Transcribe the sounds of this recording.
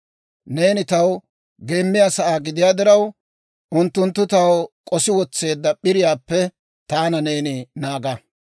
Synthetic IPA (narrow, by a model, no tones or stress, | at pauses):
ne̞ːnɪt̪ɐw | ɡe̞ːmːɪjaːsɐʔaːɡɪd̪ɪjaːd̪ɪɾɐw | ʊnt̪ːʊnt̪ːʊt̪ɐwkʼɔsɪwɔt͡sːe̞ːd̪ːɐɓɪɾɪjaːpːɛ | t̪aːnɐne̞ːnɪnaːɡɐ